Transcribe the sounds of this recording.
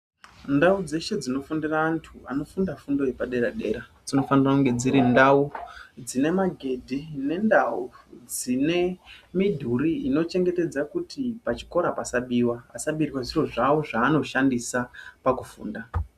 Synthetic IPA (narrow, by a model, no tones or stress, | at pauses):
ndaud͡ze̞ʃe̞d͡zino̞fundiraːntʰua̰no̞fundafundo̞jepaɗe̞ɾaɗe̞̰ːɾad͡zino̞fanirakuŋɡe̞d͡ziɾindaud͡zine̞maɡʱe̞dʱine̞ndaud͡zine̞midʱuɾiino̞t͡ʃe̞ŋɡe̞te̞d͡zakutipat͡ʃi̥ko̞ɾapasaɓiwaːsaɓiriwaʐiro̞ʐawoʐaːno̞ʃandisapakufṵːnda